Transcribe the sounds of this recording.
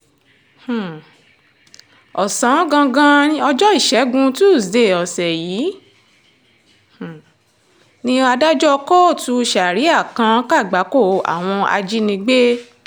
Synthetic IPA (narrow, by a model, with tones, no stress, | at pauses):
h̩˨ | ɔ˨sã˨˦ɡã˧ɡã˦ĩ˦ɔ˧d͡ʒɔ˦i˦˨ʃɛ˨˦ɡũ˧tu˦˨sde˨ɔ˨sɛ˨jiː˨˦ | h̩˨ | nĩ˧a˧da˦d͡ʒɔ˦kɔ˦˨tu˧ʃa˨ɾi˨˦a˦˨kã˧ka˦˨ɡ͡ba˨˦ko˦˨a̰˨w̃ɔ̃˧a̰˧d͡ʒi˦nĩ˧ɡ͡be˦